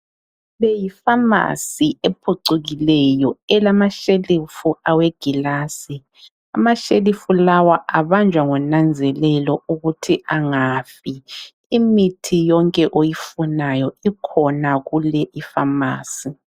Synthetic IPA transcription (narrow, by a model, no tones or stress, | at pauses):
βɛjifama̰siepʰuǀuɣilɛjɔɛlamaʃelifuaweɡ̥ʱilaːsi | a̰maʃelifulawaʔaβand͡ʒʱwaŋɔnand͡zʱɛlɛlɔuɣutʰiʔaŋafi | imitʰijɔŋkʼɛʔojifunajɔikʰɔnaɣulɛʔifamaːsi